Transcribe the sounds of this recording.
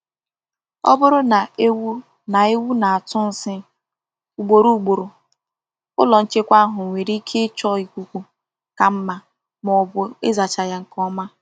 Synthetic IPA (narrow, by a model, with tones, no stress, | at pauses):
ɔ̰˦bʊ˦ɾʊ˦na˨e˦w | na˨e˦wu˦na˨a˨tʊ˦n̩˨sɪ˦ | u˨ɡ͡bo˨ɾu˦˨ɡ͡bo˨ɾo˨ | ʊ˦lɔ˨n̩˦t͡ʃe˦kʷa˦a˦ɦʊ˨ŋʷe˨ɾi˦kʰe˦t͡ʃɔ˦i˨kʷu˨kʷu˨ | ka˨m̩˦ma˨ | mɔ˨bʊ˨e˦za˨t͡ʃa˨ja˨ŋ̩˨kɔ˦ma˦